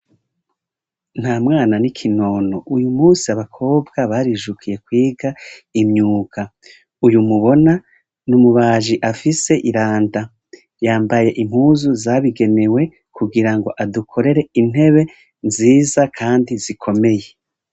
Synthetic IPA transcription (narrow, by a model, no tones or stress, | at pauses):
n̥haːmŋaːnanikʰino̞noʔujumuːsiaβakʰo̞ːbɡaβaɾiʒukʰije̞kwiːɡaimɲuːka | ujumuβo̞na | numuβaːʒiʔafise̞ʔiɾaːnda | jaːmbaje̞ʔim̥huːzuzaβiɡe̞ne̞we̞ | kuɡiɾaŋɡo̞ʔadukʰo̞ɾe̞ɾe̞in̥he̞βe̞ | nziːzakʰaːndizikʰo̞me̞je̞